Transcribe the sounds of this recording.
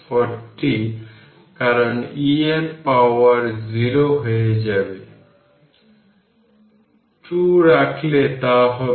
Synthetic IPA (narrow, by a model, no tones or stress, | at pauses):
pʰɔʈːi | kaɾɔnienpawɔɾziɾoɦɔjed͡ʒabe | ʈuɾakʰlet̪aɦɔ